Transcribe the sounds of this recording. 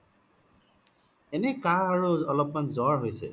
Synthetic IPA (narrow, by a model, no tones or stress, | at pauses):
enɛkaɹoɔlɔpmanzɔɹɦojsɛ̰